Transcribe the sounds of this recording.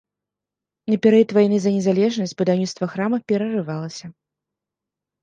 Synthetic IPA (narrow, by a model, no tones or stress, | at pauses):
nɐpʲɛɾɛjt̪vajnɨzɐnʲɛzalʲɛʐnɐsʲt͡sʲbɨd̪awnʲit̪st̪vɐxɾamɐpʲɛɾɐrɨvalˠɐsʲɐ